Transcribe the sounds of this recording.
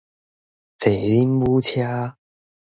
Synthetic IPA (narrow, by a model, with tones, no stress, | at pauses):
t͡se˨˩li˦˥nwu˦˥t͡ɕʰja˦˥